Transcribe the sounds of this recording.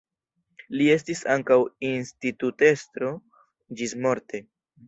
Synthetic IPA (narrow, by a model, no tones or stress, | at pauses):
lie̞s̬tisaŋkawinstitute̞stɾo̞ | d͡ʒismo̞ɾte